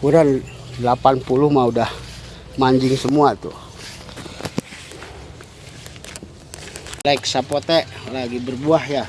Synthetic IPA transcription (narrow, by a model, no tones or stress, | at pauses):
kuɾan | lapanpuluhmaudah | maɲd͡ʒɪŋsəmuat̪ṵ | laiksapot̪ɛʔlaɡibərbuahja